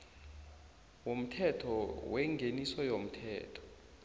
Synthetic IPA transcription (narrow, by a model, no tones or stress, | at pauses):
wom̩tʰɛtʰɔwɛŋɡʱenisɔjom̩tʰɛ̰ːtʰɔ̥